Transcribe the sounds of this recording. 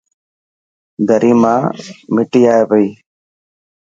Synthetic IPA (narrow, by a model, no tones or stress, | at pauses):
d̪ʱəɾʔiːmãːmɪʈiːaːeːpəiː